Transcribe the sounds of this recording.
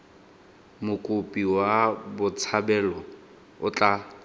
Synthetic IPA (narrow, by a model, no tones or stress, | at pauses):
mʊkʼʊpʼiwabʊt͡sʰabɛlɔ | ʊt͡ɬʼa